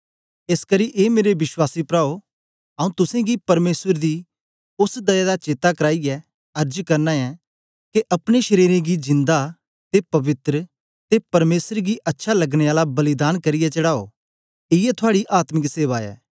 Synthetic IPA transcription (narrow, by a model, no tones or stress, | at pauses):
eskɐɾiʔeːmeːɾeʋɪswaːsipɾaːo | ɐːũt̪ʊsẽɡipɐɾmeːsəɾd̪i | ʊsd̪ɐjad̪at͡ʃeːt̪akɐɾaːiɛ | ɐɾd͡ʒkɐɾnaɛ | k̪eʔɐpɽ̃eʃɐɾiːɾẽɡid͡ʒɪ̃nd̪a | t̪epɐʋɪt̪ɾə | t̪epɐɾmeːsɾɡiʔɐtːʃʰalɐɡɽ̃eaːlabɐlɪd̪aːnkɐɾɪjɛt͡ʃɐɽaːo̰ː | ɪɛt̪ʰʊaːɽiʔaːt̪mɪkseːʋaːɛ̰ː